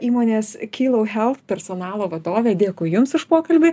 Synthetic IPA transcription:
iːmoːnʲeːskʲiːlˠɐʊxʲɛlˠt̪pʲɛrsonɑːlˠoːʋɐd̪oːʋʲeːd̪ʲeːkʊɪjʊmsʊʃpoːkɐlʲbʲɪ

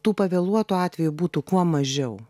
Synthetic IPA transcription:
t̪uːpɐʋʲɛlˠuɔt̪uɑːt̪ʲʋʲɛjubuːt̪ukuɔmɐʒʲɛʊ

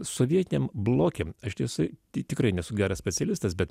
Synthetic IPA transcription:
soːʋʲiɛt̪ʲɪnʲeːmblˠoːkʲemɐʃt̪ʲiɛsʊɪt̪ʲːt̪ʲɪkɾɐɪnʲɛsʊɡʲæːɾɐsʲpʲɛt̪sʲɛlʲɪst̪ɐsbʲɛt̪

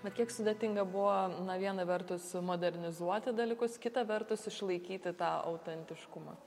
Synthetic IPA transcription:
bʲɛt̪kʲiɛksʊd̪ʲɛt̪ʲɪŋɡɐbʊʋonɐʋʲiɛnɐʋʲɛrt̪ʊsmoːd̪ʲɛɾʲnʲɪzuɔt̪ʲɪd̪ɐlʲiːkʊskʲɪt̪ɐʋʲɛrt̪ʊsɪʃlˠɐɪkʲiːt̪ʲɪt̪ɑːʔɐ̰ʊt̪ʲɛnʲt̪ʲɪʃkʊmɑ̰

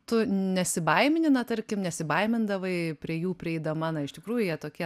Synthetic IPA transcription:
t̪ʊnʲɛsʲɪbɐɪmʲɪnʲɪnɐt̪ɐɾʲkʲɪmnʲɛsʲɪbɐɪmʲɪnd̪ɐʋɐɪpʲɾʲiɛjuːpʲɾʲɪɛɪd̪ɐmɑːnɐɪʃʲt̪ʲɪkɾuːjʊjiɛt̪oːkʲiɛ

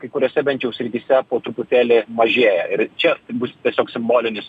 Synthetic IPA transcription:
kɐɪkʊɾʲoːsʲɛbʲɛnʲtt͡ʃʲjɛʊsʲɾʲɪt̪ʲiːsʲɛpoːt̪ɾʊpʊt̪ʲeːlʲɪmɐʒʲeːjɛɪɾt͡ʃʲɛbʊst̪ʲiɛsʲoːksʲɪmboːlʲɪnʲɪs

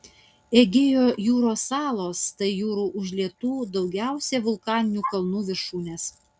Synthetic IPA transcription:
eɡʲeːjoːjuːɾoːsɑːlˠoːst̪ɐɪjuːɾuːʔʊʒʲlʲiɛt̪uːd̪ɒʊɡʲæˑʊsʲeːʋʊlˠkɑːnʲɪnʲuːkɐlˠnuːʋʲɪɾʃuːnʲeːs

